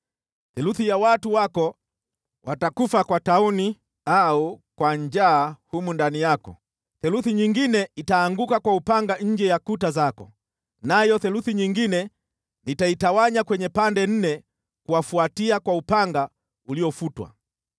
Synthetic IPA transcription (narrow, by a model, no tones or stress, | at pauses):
θɛluθijawatuwakɔ | wʔatakufakwatauni | aukwaɲd͡ʒaːhumundanijakɔ̰ | θɛluθiɲiŋɡinɛitaːŋɡukakwaupaŋɡaɲ̩d͡ʒɛjakutazakɔ̰ | najɔθɛluθiɲiŋɡinɛ | nitaitawaɲakwɛɲɛpandɛn̩nɛ | kuwafuatiakwaupaŋɡa | uliɔfutwa̰